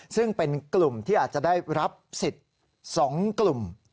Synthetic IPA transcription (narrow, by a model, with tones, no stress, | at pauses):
sɯ˥˩ŋpe˧nklu˨˩mt̪ʰiː˥ʔaː˨˩t̪̚t͡ɕa˨˩daː˥˩jɾa˦˥p̚si˨˩t̪̚ | sɔː˩˦ŋklu˨˩m